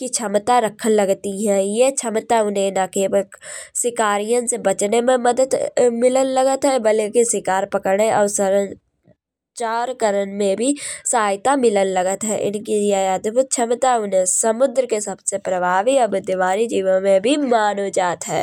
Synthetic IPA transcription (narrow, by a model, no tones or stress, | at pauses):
kit͡ʃʰəmt̪aɾəkʰənləɡt̪iɦɛ̃ːjet͡ʃʰəmt̪aʊnɦẽnaːkeːbəksɪkaːɾijə̃nsebət͡ʃnemẽmɐd̪əd̪mɪlənləɡət̪ɦɛbəlkisɪkaːɾpəkəɾɽeʔɔːɾsəɾə̃ | t͡ʃaːɾkəɾənmẽbʱisaːjt̪amɪlənləɡət̪ɦɛːʔɪ̰nkijeəd̪bʱʊt̪̚t͡ʃʰəmt̪aɦɛʊnɦẽsəmʊd̪ɾəkesɐbsepɾəbʱaːʋiɔbd̪ɪʋaːɾid͡ʒiːʋənmẽbʱimaːnod͡ʒaːt̪ɦɛ̰ː